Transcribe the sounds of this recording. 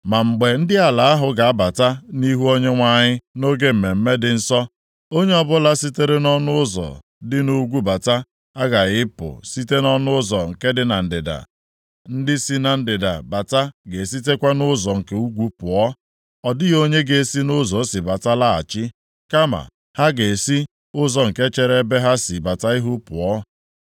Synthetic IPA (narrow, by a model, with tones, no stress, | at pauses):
ma˨ŋ͡m̩˨ɡ͡be˨n̩˦dɪ˦a˨la˨a˦ɦʊ˨ɡa˨a˦ba˨ta˦ni˦ɦu˦o˦ɲe˦ŋʷa˦ɲɪ˦no˦ɡe˦m̩˨me˨m̩˦me˦dɪ˨n̩˦sɔ˦ | o˦ɲe˦ɔ˦bʊ˦la˦si˦te˦ɾe˦nɔ˦nʊ˦ʊ˦zɔ̰˨ | dɪ˦nu˦ɡʷu˦ba˨ta˦ | a˦ɡa˨ɣɪ˦pʊ̰˨si˦te˦nɔ˦nʊ˦zɔ˨ŋ̩˨ke˦dɪ˦na˨n̩˨dɪ̰˨da̰˨ | n̩˦dɪ˦si˦na˨n̩˦dɪ˨da̰˨ba˨ta˦ɡe˨si˦t̬e˦kʷa˦nʊ˦zɔ˨ŋ̩˨ke˨˦u˦ɡʷu˦pʊ˨ɔ˦ | ɔ˨dɪ˦ɣo˦ɲe˦ɡe˨si˦nʊ˦zɔ˨˦sɪ˨ba˨ta˦la˦a̰˨t͡ʃɪ˦ | ka˦ma̰˨ | ha˦ɡe˨si˦ | ʊ˦zɔ˨ŋ̩˨ke˦t͡ʃe˨ɾe˦be˦ɦa˦si˨ba˨ta˦ɪ˦ɦʊ˦pʊ˨ɔ˦